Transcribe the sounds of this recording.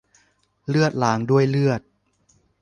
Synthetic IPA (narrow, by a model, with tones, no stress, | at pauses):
lɯ˥˩ət̪̚laː˩˦ŋdu˥˩əjlɯ˥˩ət̪̚